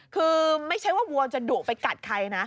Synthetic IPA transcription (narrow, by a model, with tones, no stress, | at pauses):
kʰɯː˧ma˥˩jt͡ɕʰa˦˥jwaː˥˩wu˧ət͡ɕa˨˩duː˨˩k̚pa˧jka˨˩t̪̚kʰa˧jna˦˥